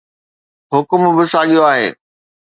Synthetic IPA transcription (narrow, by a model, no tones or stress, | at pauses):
ɦʊkʊmbɪsaːɠijoaːɦḛː